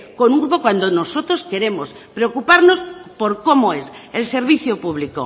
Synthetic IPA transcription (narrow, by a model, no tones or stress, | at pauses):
konũŋɡɾupokwand̪onosot̪ɾoskeɾemos | pɾeokupaɾnospoɾkomoes | elseɾβ̞iθjopuβliko̰